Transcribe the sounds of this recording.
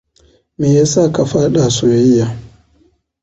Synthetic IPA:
meː˨jaː˦sa˦˨ka˨ɸaː˦ɗa˨soː˨jɪ˦jːa˨

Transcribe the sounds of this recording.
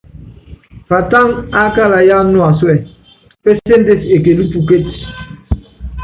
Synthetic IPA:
fa˨ta˦ŋa˦ka˦la˨ja˦m˦nu˦a˨swɛ˦˨ | pɛ˦se˦nde˦˨se˨k̬e˨li˦pu˨ke˦˨t

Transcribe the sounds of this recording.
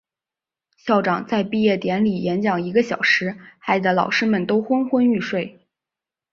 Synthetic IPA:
ɕjɑ˥˩ʊʈ͡ʂɑ˨˩ŋt͡sa˥˧ɪpi˥˧jɛ˥˩t̪jɛ˧˥nli˨˩jɛ˧˥nt͡ɕjɑ˨˩ŋi˧˥ɡə˧ɕjɑ˨˩ʊʂɻ̩˧˥xa˧˥ɪd͡zə˧˩lɑ˨˩ʊʂɻ̩˥mə˨nt̪o˥ʊxwə˥nxwə˥ny˥˧ʂwe˥˩ɪ

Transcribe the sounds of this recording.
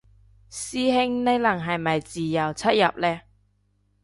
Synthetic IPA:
siː˥ɦɪ˥ŋne˧jlɐ˨˩ŋɦɐ˨˩jmɐ˨jt͡siː˨jɐ˨˩wt͡sʰɐ˥t̚jɐ̰˨p̚lɛː˥

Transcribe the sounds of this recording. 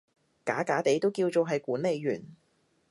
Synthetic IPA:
kaː˨˥kaː˨˥t̪e˨˥jt̪o˥wkiː˧wt͡so˨˧wɦɐ˨jkuː˨˥nle˨˧jːyː˨˩n

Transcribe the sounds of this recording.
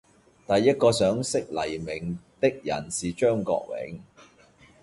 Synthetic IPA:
t̪ɐ˨jːɐ˥t̚kɔː˧sœː˨˥ŋsɪ˥k̚lɐ˨˩jmɪ˨˩ŋt̪ɪ˥k̚jɐ̰˨˩nsiː˨t͡ʃœː˥ŋkɔ̰ː˧k̚wɪ̰˨˥ŋ

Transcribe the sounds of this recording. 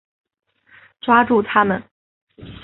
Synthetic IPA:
ʈ͡ʂwa˥ʈ͡ʂu˥˩t̪ʰa˥mə̰˨n

